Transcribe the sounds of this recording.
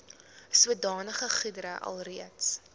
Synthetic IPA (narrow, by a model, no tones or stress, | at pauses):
suədɑːnəχəχidəɾəʔɐ̰lˠriəts